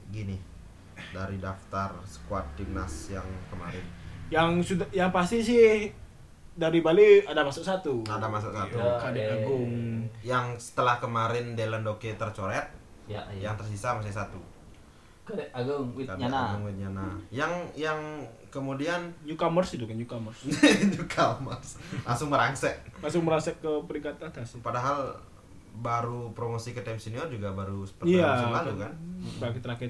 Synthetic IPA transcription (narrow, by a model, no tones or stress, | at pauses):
ɡinɪ | daɾidaft̪arsə̥kuat̪̚d͡ʒik̚na̰sjaŋkəma̰ɾɪnjaŋsudajaŋpast̪isɪh | daɾibaliadamasʊk̚sat̪uadamas̬ʊksat̪uadaɡuŋjaŋsə̥t̪əlahkəmaɾɪndeləndoket̪ərt͡ʃoɾɛt̪̚ | jajaŋt̪ərsisamas̬is̬at̪u | kaɡaəŋuɪaaaɡaŋuɪt̪̚ɲanajaŋjaŋ | kəmudianɲukamərsit̪ukanɲukamərsɲukʰamərslaŋsʊŋməɾaŋsɛʔlasʊŋ̚məɾasɛkːəpəɾiŋkat̪at̪aspadaɦal | baɾupɾomosikət̪ɛmsiniɔrd͡ʒuɡabaɾusə̥pəriaasalalukanakit̪əɾakɛt̪